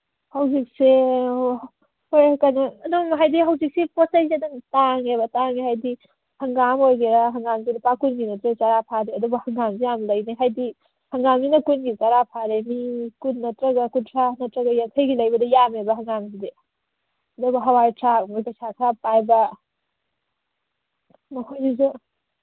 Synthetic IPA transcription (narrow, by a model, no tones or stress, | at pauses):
hawzik̚se | ojkanaːnomɦajdiɦawzik̚sepɔsajsedantaŋebɐtaŋeɦajdi | hɐŋɡamojɡeɾaɦɐŋɡamzinɐpakunɡinɐtɾat͡ʃaɾapʰaɾeɐdubɐhɐŋɡamzijamlɐjneɦajdi | hɐŋɡamzinɐkunɡit͡ʃaɾapʰaɾemikunːɐtɾɐɡakuntʰɾanɐtɾɐɡɐjatʰɐjɡilɐjbɐdɐjamebɐɦɐŋɡamside | ɐdubɐɦɐwajtʰɾamojpasakʰɾapajbɐ | mɐkʰojzizu